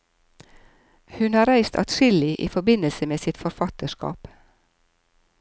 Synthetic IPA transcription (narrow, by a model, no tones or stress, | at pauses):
hʉnhɑːɾæɪst̪ʰɑ̰t̪ʃɪlɪʔḭːfɔbɪnəlsəmeːsɪt̪fɔɾfɑt̪əʃkɑ̰ːp